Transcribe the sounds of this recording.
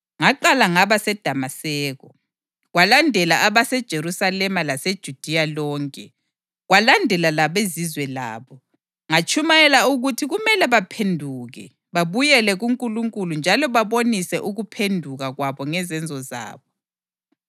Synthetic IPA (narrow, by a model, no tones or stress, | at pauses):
ŋaǃalaŋaβasɛd̥ʱamasɛːɣɔ | ɣwalandʱɛlaʔaβasɛd̥ʒ̥ʱeɾusalɛmalased̥ʒ̥ʱud̥ʱialɔːŋkʼɛ | ɣwalandʱɛlalaβezizwɛla̰ːβɔ | ŋat͡ʃʼʰumajɛlauɣutʰiɣumɛlɛβapʰendʱuːɣɛ̰ | βaβujɛlɛɣuŋkʼuluŋkʼulund͡ʒʱalɔβaβonisɛʔuɣupʰendʱuɣaɣwaβɔŋɛzɛnd͡zʱɔza̰ːβɔ